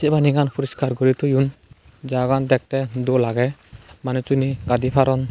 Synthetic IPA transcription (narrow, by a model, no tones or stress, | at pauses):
sɛbaniɡanpʰuɾiskaɾɡɔɾit̪ɔjun | d͡ʒaɡand̪ɛk̚t̪ɛd̪ɔʔlaɡɛmanɛt͡ʃuniɡad̪ipʰaɾɔn